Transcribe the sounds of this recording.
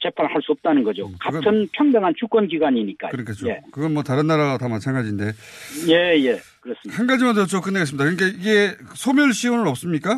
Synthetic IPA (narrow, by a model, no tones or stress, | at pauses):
t͡ɕe̞pʰanɭhaɭs͈uʌp̚t͈anɯnɡʌd͡ʑo̰kaɯɡʌtʰɯnpʰjʌŋdaŋɦant͡ɕʰuk͈wʌnɡiɡwaɲiɲik͈a̰kɯɾʌkʰet͡ɕ͈oekɯɡʌnmwʌtaɾɯnːaɾatamat͡ɕʰanɡad͡ʑinde̞je̞jekɯɾʌs͈ɯmhanɡad͡ʑimandɯʌt͡ɕ͈okɯnːeɡes̬ɯmidakɯnikaiɡe̞sʰomjʌɭɕʰiwonɯɾʌp̚s͈ɯmɲik͈a